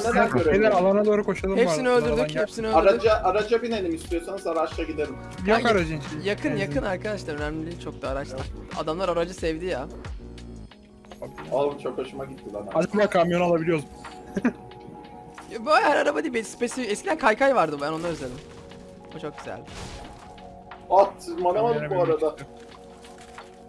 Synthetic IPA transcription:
ned̪anɟøɾeelæɾalˠanad̪o̞ːɾukʰo̞ʃalˠɯhepmsasiniø̞lʲd̪yɾd̪yɛpsiniøldɾad͡ʒaʔaɾad͡ʒabinenimist̪ʰijosanɯzaɾat͡ʃlaɟid̪eɾim | jokaɾad͡ʒint͡ʃijakʰɯnjakʰɯnaɾkʰad̪aʃlˠaɾø̞næmlʲlʲit͡ʃʰo̞k̚d̪aːɾat͡ʃlˠaɾa̰d̪amlˠaɾaɾad͡ʒɯsɛvd̪ija | abialˠɯnt͡ʃʰo̞kaʃɯmaɟit̪ʰːilad̪aad͡ʒamlˠakʰamjo̞nalˠabilʲijo̞zm | jbahæɾaɾabad̪ijbesi̥pesiɛscʰid̪ænkʰajkʰajvaɾd̪ɯbæno̞nˠaɾøzelʲim | ot͡ʃʰo̞k̚ɟ̥ʲyzæ̰lʲ | at̪ʰːmanamad̪ɯbuaɾad̪a

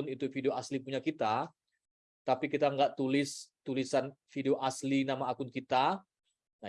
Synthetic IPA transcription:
ʊnit̪ufideoʔaslipuɲakit̪a | t̪apikit̪aŋɡaʔt̪ulɪst̪ulisanfideoʔaslinamaakʊnkit̪a | na

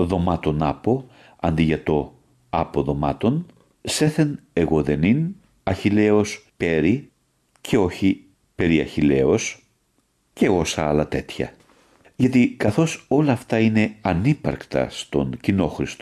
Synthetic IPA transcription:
ðo̞mɐt̪o̞nɐpo̞ | ɐnd̪iʝɐt̪o̞ | ɐpo̞ðo̞mɐt̪o̞n | se̞θe̞ne̞ɣo̞ðe̞nin | ɐçile̞o̞spe̞ɾi | cʰe̞o̞çi | pe̞ɾiɐ̰çile̞o̞s | ce̞o̞sɐɐlɐt̪e̞t̪çɐ̰ | ʝɐt̪ikɐθo̞so̞lɐːft̪ɐine̞ɐnipɐ̰ɾkt̪ɐ̰st̪o̞̰ŋcino̞xɾist̪o

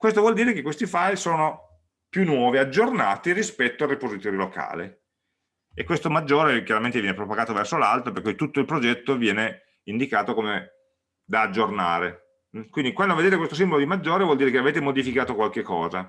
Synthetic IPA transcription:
kwest̪ovwɔld̪iːɾekekːwest̪ifajsoːno | pjunːwɔːviad͡ʒːornaːt̪irispɛt̪ːoaripozit̪oːɾjolokʰa̰ːlḭ | ekːwest̪omad͡ʒːoːɾekjaɾament̪evjɛnepɾopaɡaːt̪ovɛrsolalt̪ɾoperkːujt̪ut̪ːoilpɾod͡ʒɛt̪ːovjɛːne | ind̪ikaːt̪okome | d̪aːd͡ʒːorna̰ːɾe | kwind̪ikwand̪oved̪eːt̪ekwest̪os̬imbolod̪imad͡ʒːoːɾevwɔld̪iːɾekeaveːt̪emod̪ifikaːt̪okwalkekːɔːza

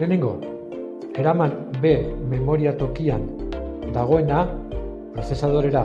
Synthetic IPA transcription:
ene̞ŋɡo̞̰ | e̞ɾamanbe̞me̞mo̞ɾiat̪o̞kiand̪aɣ̞o̞e̞na | pɾo̞θe̞sað̞o̞ɾe̞ɾa

